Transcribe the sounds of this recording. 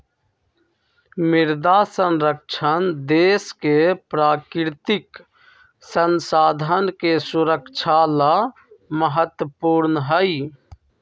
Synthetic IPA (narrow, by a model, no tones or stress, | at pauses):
miɾd̪asənɾək̚t͡ʃʰənd̪eskepɾaːkɾt̪ik | sənsaːd̪ʱənkesuɾəkt͡ʃʰala | məɦət̪wəpuɾnɦəj